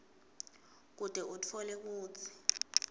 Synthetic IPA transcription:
k̬ud̥ʱɛʔutʰɔlek̬uːt͡sʰi̥

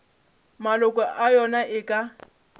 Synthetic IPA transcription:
malʊkʼɔʔajɔnaʔɪkʼa

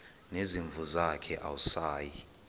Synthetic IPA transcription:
neziɱvʱuzakʰɛʔa̰wusaːji

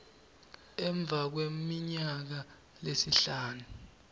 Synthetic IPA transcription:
ɛɱb̪vʱak̬wemiɲak̬a | lesiɬaːnu

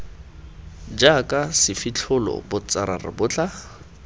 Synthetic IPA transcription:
d͡ʒakʼasɪfɪt͡ɬʰʊlɔ̰bʊt͡sʼaɾarɪ̰bʊt͡ɬʼa

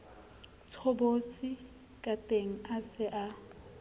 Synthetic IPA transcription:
t͡sʰobot͡sʼi | kʼatʼeŋ̩asɪʔa

